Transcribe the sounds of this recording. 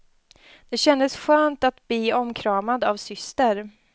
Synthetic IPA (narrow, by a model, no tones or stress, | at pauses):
d̪̥ɛɕɛnd̪əsɧøːnt̪at̪bliːɔmkʰɾɑːmad̪avsʏst̪əɾ